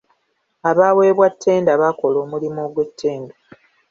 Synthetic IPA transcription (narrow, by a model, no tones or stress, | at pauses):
aβaːwe̞ːβwatʰːe̞ːndaβako̞lo̞ːmulimoɡwe̞tʰːe̞ːnda